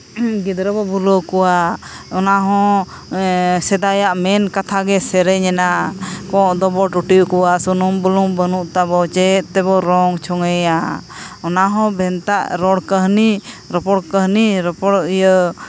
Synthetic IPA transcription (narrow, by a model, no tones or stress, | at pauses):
ɡid̪ɾəbɔbulokɔwaɔnaɦɔ̃ | sɛd̪ajaʔmɛnkat̪ʰaɡɛsɛɾɛɲɛnakɔ̃ʔd̪ɔbɔʈuʈikɔwasunumbulumbənuʔt̪abɔt͡ʃɛt̪t̪ɛbɔɾɔŋt͡ʃʰɔŋɛja | ɔnaɦɔ̃bʱɛnt̪a̰ʔɾɔɽkəɦni | ɾɔpɔɽkəɦniɾəpɔɽjə